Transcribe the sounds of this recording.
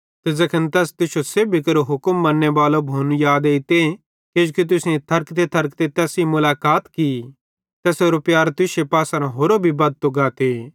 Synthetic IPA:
t̪ed͡ʒɐkʰənt̪ɛːst̪ɪsoseːbʱikɐɾoɦʊkəmːɐnːebaːlobʱuːnjaːd̪eɪt̪e | keːd͡ʒukit̪̬ʊsnẽt̪ʰɐɾkt̪et̪ʰɐɾkt̪et̪ɛːsimʊlaːkaːt̪ki | t̪ɛːsoːɾopjaːɾt̪ʊsepaːsãɾãɦoːɾobʱibɐd̪̚t̪oɡaːt̪e

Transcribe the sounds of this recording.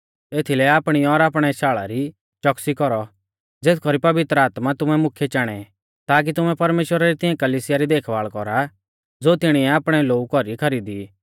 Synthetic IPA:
eːt̪ʰilɛaːpɽ̃iɔɾaːpɽ̃ɛʃaːɭa̰ɾi | t͡ʃɔksikɔɾɔ | d͡zeːt̪ʰkʰɔɾipɐʋɪt̪ɾəaːt̪mat̪ʊmɛmʊkʰːjɛt͡ʃaːɽ̃ɛ | t̪aːk̬it̪ʊmɛpɐɾmeːʃwəɾaɾit̪ɪɛ̃kɐliːsɪjaɾid̪eːkʰʋaːɭkɔɾa | d͡zoːt̪ɪɽ̃iɛaːpɽ̃ɛloːukɔɾikʰɐɾiːd̪i

